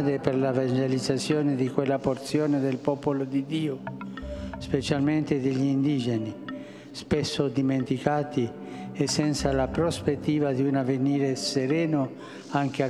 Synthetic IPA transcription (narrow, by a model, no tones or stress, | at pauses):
d̪eperlavand͡ʒelid̪zːat̪sːjoːned̪ikwelːapoɾt̪sjoːned̪elpɔːpolod̪id̪iːo | spet͡ʃalment̪ed̪eʎːiind̪iːd͡ʒeni | spesːod̪iment̪ikaːt̪i | esːɛnt̪salapɾospet̪ːiːvad̪iunaveniːɾeseɾɛːno | aŋk̟ea